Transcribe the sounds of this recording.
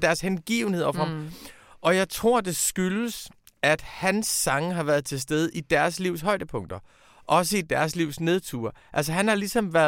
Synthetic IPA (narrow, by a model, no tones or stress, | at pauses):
d̥æɐshenɡ̥ḭːʊn̩he̝ð̰ˠɒfɒɑm | ʔɒ̽jɑ̈ɪt͡sʰʁo̝ɐ̰d̥e̝sɡ̥yləs | æd̥hænsːɑ̈ŋəɦɑ̈ʋæɐð̩ˠt͡sʰe̝lsd̥eð̞ˠəʔid̥æɐsliʊsɦɒ̽ɪd̥əpʰɔ̽ŋ̰d̥ɐ | ʔɒ̽s̬əid̥æɐsliʊ̰sne̝ð̞̩ˠt͡sʰṵːɐʔælsəɦænhɑ̈lisɒ̽mʋæɐ